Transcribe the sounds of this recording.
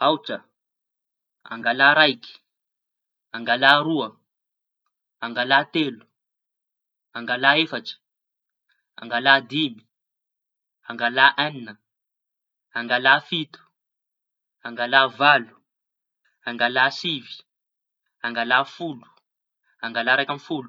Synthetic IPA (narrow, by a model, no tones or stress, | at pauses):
awʈ͡ʂə | a̰ŋɡalaːɾajki̥ | aŋɡalaːɾuə | aŋɡalaːt̪elu̥ | aŋɡalaːefaʈ͡ʂi̥ | a̰ŋɡalaːd̪imi̥ | aŋɡalaʔaninə | aŋɡalaːfit̪u̥ | aŋɡalaːvalu̥ | aŋɡalaːsivi̥ | aŋɡalaːfulu̥ | aŋɡalaɾajkʲamfulu